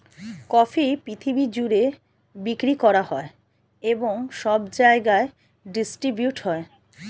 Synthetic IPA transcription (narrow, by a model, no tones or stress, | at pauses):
kɔfʰipɾit̪ʰibid͡ʑuɾe | bikɾikɔɾahɔe | eboŋʃɔbd͡ʑaeɡae | ɖisʈɾibjuʈɦɔe